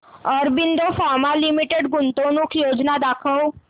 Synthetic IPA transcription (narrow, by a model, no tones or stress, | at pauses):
ɔːɾbɪnd̪ofaːɾmalɪmiʈeɖɡʊnt̪õːnʊkʰjoːd͡ʒnad̪aːkʰəo